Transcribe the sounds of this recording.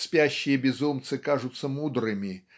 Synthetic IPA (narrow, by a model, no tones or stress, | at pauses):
sʲpʲæɕːɪjəbʲɪzumt̪sɨkaʐʊt̪səmud̪ɾɨmʲɪ